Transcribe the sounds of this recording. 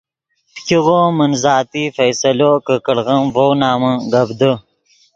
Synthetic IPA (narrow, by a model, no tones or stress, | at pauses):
pkiɣomənzɑːt̪ifɐjsɐlokəkəɽɣəmvownɑːməɡɐbd̪ə